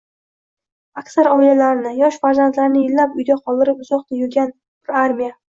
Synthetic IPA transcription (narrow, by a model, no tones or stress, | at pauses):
akʲsaɾɒɪlalaɾnɪjɒʃfaɾzant̪laɾnɪɪlːapʊjd̪ʲaqʰɒlˠd̪ɪɾɪpʊz̥ɒqt̪ajʊɾɡʲan | pɪɾaɾmija